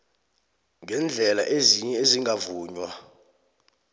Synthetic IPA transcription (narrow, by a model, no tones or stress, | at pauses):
ŋɡʱɛnd͡ɮʱɛla̰ʔeziɲɛeziŋɡʱavuːɲwa